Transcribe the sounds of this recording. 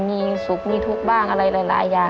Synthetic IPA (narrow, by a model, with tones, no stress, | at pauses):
miː˧su˨˦k̚miː˧t̪ʰu˧˦˥k̚baː˥˩ŋʔa˧ɾa˧jlaː˨˦jla̰ː˩˦jːaː˨˩